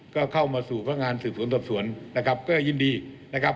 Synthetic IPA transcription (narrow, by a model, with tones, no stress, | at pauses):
kɔː˥˩kʰa˥˩wmaː˧suː˨˩pʰa˧na˥kŋaː˧nsɯː˨˩p̚su˩˦nsɔː˨˩p̚su˩˦ənːa˦˥kʰa˦˥p̚kɔː˥˩jɯː˥˩ndiː˧ | na˦˥kʰa˦˥p̚